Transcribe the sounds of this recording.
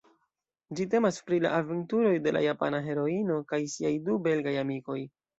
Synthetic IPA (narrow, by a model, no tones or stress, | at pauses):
d͡ʒite̞maspɾila̰ʔaventuɾo̞jde̞la̰japa̰naɦe̞ɾo̞ino̞kajsiajdube̞lɡajamiko̞j